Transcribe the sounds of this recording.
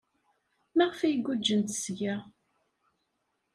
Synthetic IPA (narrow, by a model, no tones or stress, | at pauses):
mæʁfæjəɡʷːud͡ʒːənt̪sʝæ